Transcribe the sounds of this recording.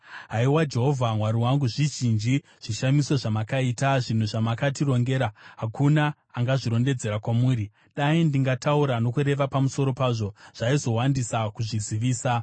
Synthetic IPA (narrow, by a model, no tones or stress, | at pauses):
ɦaiwad͡ʒe̞ɦo̞vʱamwaɾiwaŋɡuʐiʒind͡ʒi | ʐ̥iʃamiso̞ʐamakaiːtaʐin̤uʐamakatiɾo̞ŋɡe̞ːɾaɦakʰunaː | ŋɡaʐiɾo̞nde̞d͡ze̞ɾakwamuːɾi | ɗaindiŋɡatʰauɾano̞kuɾe̞ʋapamuso̞ɾo̞paʐo̞ʐ̥aizo̞wandisakuʐiziʋiːsa